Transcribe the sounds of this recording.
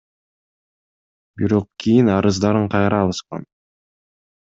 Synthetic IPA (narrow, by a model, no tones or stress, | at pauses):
biɾo̞q̚kijinɑɾɯzd̪ɑɾɯɴqʰɑjɾɑːlˠɯsqɑ̰n